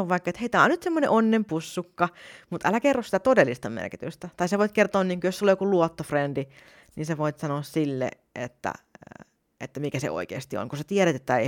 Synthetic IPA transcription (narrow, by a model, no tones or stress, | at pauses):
oʋɑikːɑet̪heit̪æˑonnyt̪semːonḛʔonːempusːukːɑmut̪ʔælækerːosit̪æt̪odelːist̪ɑmḛrkit̪yst̪æt̪ɑisæʋoˑit̪̚kert̪oːnniːŋkujoselojokuluot̪ːofrendi | nḭːnseʋoit̪sɑnoːssilːḛ | ʔḛt̪ːæ̰ | ʔet̪ːæmikæsḛʔo̰ikḛːst̪io̰ŋkusæt̪ieɾæt̪et̪ːæei